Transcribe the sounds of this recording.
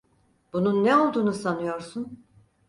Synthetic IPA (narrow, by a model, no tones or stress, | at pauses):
b̥ununːɛo̞lˠd̪uːnusanɯjo̞ɾsun